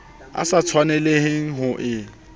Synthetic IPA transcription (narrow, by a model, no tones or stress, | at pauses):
a̰sat͡sʰwanɛleɦeŋ̩ɦʊʔɪ